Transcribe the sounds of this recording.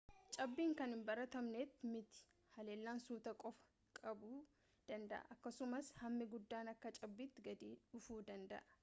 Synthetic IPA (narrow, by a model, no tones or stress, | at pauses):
t͡ʃʼɐbːiːŋkɐnɪmbɐɾɐt̪ɐmneːt̪ːmɪt̪ɪ̥ | hɐle̞ːlːaːnsuːt̪ɐkʼɔfɐ̥ | kʼɐbuː | d̪̥ɐnd̪ɐ̰ʔɐ̰ʔɐkːɐsʊmɐshɐmːɪɡʊd̪ːaːnɐkːɐt͡ʃʼɐbːiːt̪ːɪɡɐd̪iːʊfuːd̪ɐnd̪ɐ̰ʔɐ̥